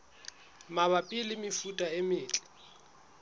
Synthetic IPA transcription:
maβapʼilɪmɪfutʼaɪmɪːt͡ɬʼɪ̥

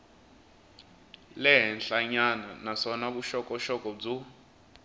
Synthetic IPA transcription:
lɛɦɛnɬaɲananasɔnak̬uʃɔkɔʃɔk̬ʼɔb͡ʐu

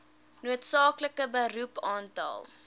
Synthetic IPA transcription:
nuətsɑːkləkəbəɾupɑːntɑ̰lˠ

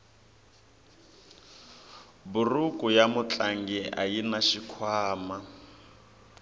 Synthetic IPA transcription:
bʊrukʼʊjamʊt͡ɬʼaŋɡɛʔa̰jinaʃikʰwaːma

